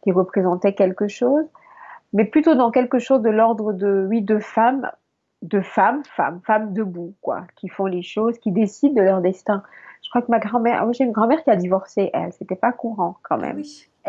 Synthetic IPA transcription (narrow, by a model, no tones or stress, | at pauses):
kʲiʁəpχezɑ̃t̪ɛkʲɛlkəʃoz | mɛplyt̪od̪ɑ̃kɛlkəʃozd̪əlɔʁd̪ʁəd̪əwid̪əfam | d̪əfamfa̰mfamd̪əbukwa̰kʲifɔ̃leʃozkʲid̪esid̪̚ːəlœʁd̪ɛst̪ɛ̃ʒ̥əkχwakəmaɡʁɑ̃mɛ̰ʁmwaʒeynɡʁɑ̃mɛʁkʲiad̪ivɔʁseʔɛ̰lset̪ɛpakuʁɑ̃kɑ̃mɛ̰m